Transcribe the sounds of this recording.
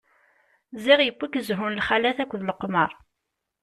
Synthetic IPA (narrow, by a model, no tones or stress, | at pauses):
zɪʁjəkʷːikːəzɦʊnlχælæθækʷːðləqːməɾˤ